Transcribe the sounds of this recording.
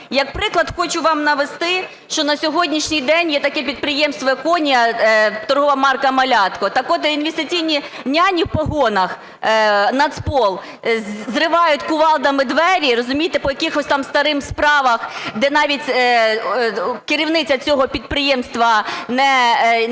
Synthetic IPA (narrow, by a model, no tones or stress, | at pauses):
jɐkpɾɪklˠɐd̪xɔt͡ʃʊʋɑmnɐʋest̪ɪ | ʃt͡ʃɔnɐsʲɔɦɔdʲnʲiʃnʲijd̪ɛnʲjɛt̪ɐkɛpʲid̪̚pɾɪjɛmst̪ʋɔɐkɔnʲijɐt̪ɔrɦɔʋɐmɑrkɐmɐlʲɑt̪kɔt̪ɑkɔt̪inʋʲɪst̪ɪt͡sʲijnʲi | nʲɑnʲiwpɔɦɔnɐx | nɐd̪spɔlˠ | zrɪʋɑjʊtʲkʊʋɑlˠd̪ɐmɪd̪ʋɛɾʲirɔzʊmʲijt̪ɪpɔjɐkʲixɔsʲt̪ɑmst̪ɐɾɪmspɾɑʋɐxd̪ɛnɑʋʲitʲ | kɪɾʲiwnɪt͡sʲɐt͡sʲɔɦɔpʲid̪̚pɾɪjɛmst̪ʋɐnɛ